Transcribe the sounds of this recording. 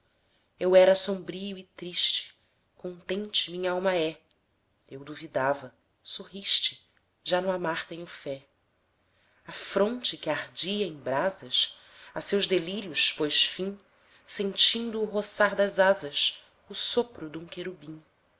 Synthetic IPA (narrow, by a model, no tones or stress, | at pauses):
ewɛɾɐsõmbɾiʊɪt̪ɾiʃt͡ʃɪ̥ | kõnt̪ẽnt͡ʃɪmĩɲɐawmɐɛ | ewd̪uvid̪avɐ | soɦiʃt͡ʃɪ̥ | ʒanʊamaɾt̪ẽɲʊfɛ | ɐfɾõnt͡ʃɪkɪahd͡ʒiɐẽj̃bɾazɐʃ | ɐsewʒd̪eliɾjʊʃpojʃfĩ | sẽt͡ʃĩnd̪ʊːɦosaɾd̪ɐzazɐʃ | ʊsopɾʊd̪ũkeɾubĩ